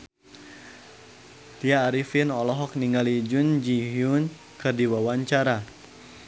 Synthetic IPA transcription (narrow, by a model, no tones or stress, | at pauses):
t̪iaːɾifinɔlɔɦɔk̚niŋalid͡ʒund͡ʒiɦjun | kɨrdiwawaɲt͡ʃaɾa